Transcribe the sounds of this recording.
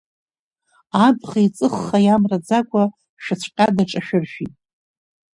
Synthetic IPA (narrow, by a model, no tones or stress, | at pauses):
abχajt͡sʼɨχːajamrad͡zakʷʼa | ʃᶣat͡ɕʷʰqʲʼadaʈ͡ʂʼaʃᶣɪrʃᶣitʼ